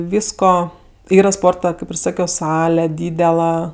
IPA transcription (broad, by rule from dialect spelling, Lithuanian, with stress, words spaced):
ˈʋʲiːskoː ˈiːrɐ ˈspoːrtɐ ˈkɐɪp ɪr ˈsɑːkʲoː ˈsɑːlʲɛ ˈdʲiːdʲɛlˠɐ